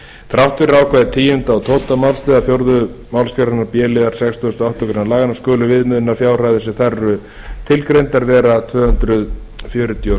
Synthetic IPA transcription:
θɾawht̪vɪɾaːwkʰvajðɪt̪ʰiːjʏnt̪aːwt̪ʰoːwt̪amawlst̪ɛðafjowɾðʏmawlscɛɾaɾnaɾpjɛːlɪðaɾ̥sɛkst̪ʰuːst̪ɔaht̪ɔkɾɪnalaːɣanaskœːlʏvɪðmɪðʏnafjaːwr̥ajθɛsɪθɛrːʏ | t̪ʰɪlkɾejnt̪aɾvɛːɾat̪ʰvœːhʏnt̪ɾʏð | fjœːɾʏt̪ʰio

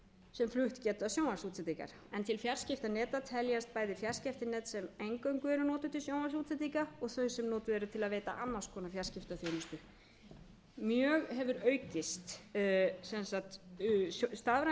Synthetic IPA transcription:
sɛmflʏht̪cɛːt̪ʏasjoːwnasuːt̪sɛt̪ika̰ɾ̥ | ɛnt̪ʰɪlfjar̥scɪft̪anɛːt̪at̪ʰɛljast̪̚paːjðɪfjar̥scɛft̪ɪnɛːt̪sɛmejŋkœɥŋkʏɛɾʏnɔːt̪ʏ̥t̪ʰɪlsjoːwnasuːt̪sɛt̪̬ikaɔɣθœɥsɛmnɔːt̪ʏɛɾʏt̪ʰɪlaðveːt̪a̰ʔanmːaskʰɔːnafjar̥scɪft̪aθjoːmʏst̪ʏ | mjœːɣɦɛvʏɾœːɥcɪst̪ | sɛnsat̪ | st̪avɾa

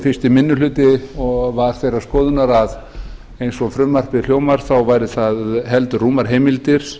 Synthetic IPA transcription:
fɪst̪ɪmɪnːʏlʏːt̪ɪɔɣvaɾ̥θejɾḁskɔːðʏnaɾað | ejnsɔfɾʏmːar̥pɪljoːwmaɾ̥θawvajɾɪθaðɦɛlt̪ʏruːmaɾ̥ɦeːjmɪlt̪ɪɾ̥

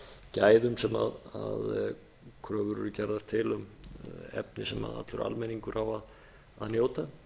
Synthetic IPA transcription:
caːjðʏmsɛma̰ðað | kʰɾœːvʏɾʏɾʏcaɾðaɾ̥t̪ʰɪlʏmɛ̰pnɪsɛma̰ða̰t̪lʏɾʔa̰lmɛniŋkʏɾʔavað | aðnjoːwt̪a

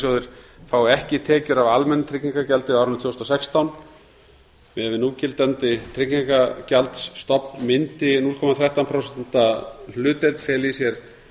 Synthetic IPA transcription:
sjowðɪɾ̥faːwɛhcɪt̪ʰɛːcʏɾavalmɛnːʏt̪ʰɾɪkcniŋkacɛlt̪ɪawɾnt̪ʰjowst̪ɔsɛkst̪awn | mɛðvɪnuːcɪlt̪ant̪ɪt̪ʰɾɪkɲiŋkacalt̪sːt̪ɔpnmɪnt̪ɪnul̥kʰɔmaθɾɛht̪awnpʰɾɔwsɛn̥t̪all̥ʏːt̪elt̪fɛːlɪisjɛɾ̥

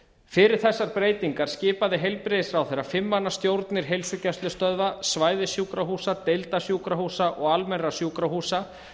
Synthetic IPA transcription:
fɪɾɪɾ̥θɛsːaɾpɾeːjt̪iŋkaɾ̥scɪːpaðɪɦejlpɾɪsɾawθeɾːafɪmːanːast̪jowɾt̪nɪɾ̥ɦejlsʏcɛst̪lʏst̪œðvasvaːjðɪsjuːkɾaɦuːsat̪ejlt̪asjuːkɾahuːsaʔɔɣalmɛnrasjuːkɾahuːsa

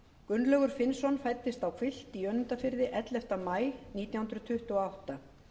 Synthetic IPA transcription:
kʏnːlœɣʏɾ̥fɪnsɔnfajt̪ːɪst̪awkʰvɪl̥t̪iœnːʏnt̪afɪɾðɪʔɛt̪lɛft̪amaːjniːt̪jahʏnɾʏt̪ʰʏht̪ʏɔawht̪a

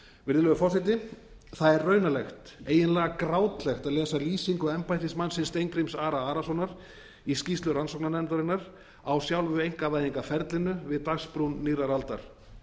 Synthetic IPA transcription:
vɪɾðɪlœɣʏfɔsɪjt̪̬ɪ | θaðɛɾrœːɥnalɛxt̪eːjɪnlɛːɣakɾaːwt̪lɛxt̪aðlɛːsaliːsiŋkʏɛmpajt̪ɪsmansɪnst̪ejŋkɾijmsaːɾaaːɾasɔnaɾ̥ | iscist̪lʏɾansɔwknanɛmt̪aɾɪnːaɾ | awsjawlvʏejŋ̥kavaːjðiŋkafɛɾt̪lɪnʏvɪðt̪axspɾunːiːɾaɾalt̪a̰ɾ̥

